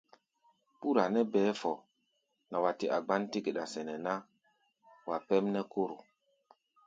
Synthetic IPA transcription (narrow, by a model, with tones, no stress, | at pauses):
pu˦ɾa˨nɛ˦bɛː˨˦fɔ˨ | na˨wa˨ti˨ʔa˨ɡ͡ba˦nti˦ɡe˨ɗa˨sɛ˨nɛ˨na˦ | wa˨pɛ˦mnɛ˦ko˦ɾo˨